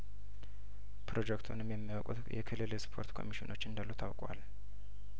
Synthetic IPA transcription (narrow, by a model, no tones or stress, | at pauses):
pʰɾo̞d͡ʒɛkt̪ʰunɨmjɛmːiwɔkʼṵt̪jɛ̰kʰɨlɨlspʰo̞̰ɾt̪kʰo̞̰miʃinʔo̞t͡ʃːɨnd̪alːuwt̪ʰa̰wkʼwa̰l